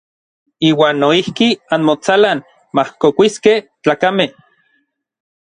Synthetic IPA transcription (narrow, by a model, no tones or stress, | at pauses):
iːwaːnːoihkianmot͡salan | mahkokʷiskehtt͡ɬaːkameh